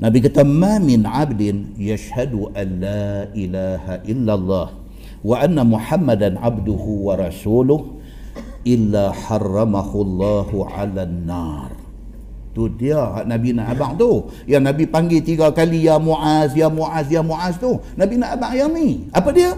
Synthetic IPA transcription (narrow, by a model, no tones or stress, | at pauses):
nabikat̪amamɪnʕabdɪnjaʃhaduʔanːaʔilaːhaʔɪlːalˤːɑːh | waʔanːamuħamːadanʕabdʊhuwaɾˤɑsuːlʊh | ʔɪlːaħɑrˤːɑmahulˤːɑːhuʕa̰lanːɑːr | t̪ʊhdiaɦa̰ʔnabinaʔabaʔt̪ʊ | janabipaŋɡit̪iɡakalijamuʕazjamuʕazjamuʕast̪ʊhnabinaʔabaʔjaniʔapadia